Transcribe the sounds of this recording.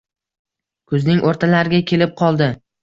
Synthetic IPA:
kʰʊznɪŋʔoɾt̪ʰalaɾɪɡʲakʲʰe̞lɪp̚qʰɒlˠd̪ɪ

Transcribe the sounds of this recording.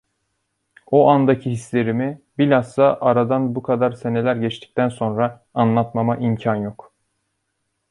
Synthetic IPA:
oʔand̪acʰihisle̞ɾimibilʲasːˠaʔaɾad̪anbukʰad̪aɾse̞ne̞lʲæɾɟɛt͡ʃt̪ʰi̥c̚ʲt̪ʰænso̞nɾaː | nlˠat̪mamaʔimcʰanjo̞k

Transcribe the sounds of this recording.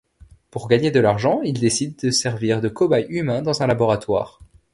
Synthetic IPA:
puʁɡaɲed̪əlaʁʒɑ̃ild̪esid̪ːəsɛʁviʁd̪əkɔbajymɛ̃d̪ɑ̃zɛ̃labɔʁat̪wa̰ːʁ

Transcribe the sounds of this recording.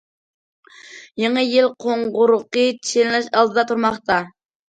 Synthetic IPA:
jeŋəjilqʰoɴʁʊɾʊqət͡ʃʰenlɛʃɑlˠd̪ɨd̪ɑt̪ʰuɾmɑχt̪ɑ

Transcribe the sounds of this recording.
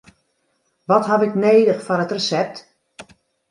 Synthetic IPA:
ʋɔtɦapɪkneːdəxfɔnətrəsɛp̚t

